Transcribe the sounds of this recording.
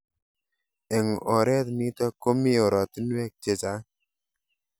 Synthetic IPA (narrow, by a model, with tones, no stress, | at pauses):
ɛ˨ŋɔ˨ɾɛ˦t̪ni˦tɔ˦ko˦mi˦ɔ˨ɾɔ˨ti˦n˦wɛ˦k̚t͡ʃe˨t͡ʃa˨˦